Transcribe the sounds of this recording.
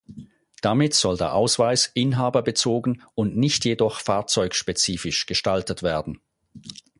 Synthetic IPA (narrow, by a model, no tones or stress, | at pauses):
d̥amɪtz̥ɔldeːɐʔaʊsv̥aɪsʔɪnɦaːbɐbət͡soːɡn̩ʊntnɪçtjedɔχfaːɐt͡sɔʏkʃpet͡siːfɪʃɡ̥əʃtaltətv̥eːɐdn̩